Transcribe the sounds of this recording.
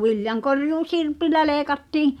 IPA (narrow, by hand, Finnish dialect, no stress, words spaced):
ʋiljɑŋkorjuː sirpilːæ leːkɑtːiːi̞